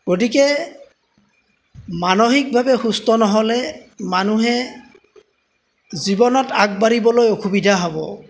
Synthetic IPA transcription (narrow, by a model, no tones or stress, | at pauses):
ɡotikɛ | manoɦik̚bʱabɛxustɔnɔɦɔlɛmanuɦɛ | zibɔnɔtak̚baɹibɔlojokubidʱaɦɔbɔ̰